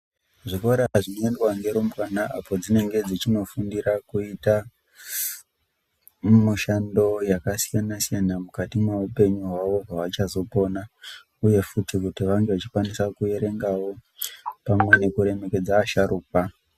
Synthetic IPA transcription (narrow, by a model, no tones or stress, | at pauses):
ʐiko̞ɾaʐinoendwaŋɡe̞ɾombwanaʔapo̞d͡zine̞ŋɡe̞d͡zit͡ʃino̞fundirakuita | muʃando̞jakasijanasijanamukatimweupe̞ɲuɦwaʋo̞paʋat͡ʃazo̞po̞na | uje̞futikutiʋaŋɡe̞ʋat͡ʃi̥kwanisakue̞ɾe̞ŋɡawo̞pamwe̞ne̞kuɾe̞me̞ke̞d͡zaːʃaɾʔuːk̚wa